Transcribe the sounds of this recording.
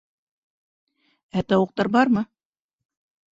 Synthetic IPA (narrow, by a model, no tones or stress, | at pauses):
æt̪ɑwɤ̆q̚t̪ɑɾbɑɾmɤ